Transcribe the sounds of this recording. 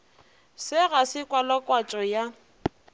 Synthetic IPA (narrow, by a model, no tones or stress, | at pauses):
sɪɣasɪkʼwalakʼwat͡ʃʼɔja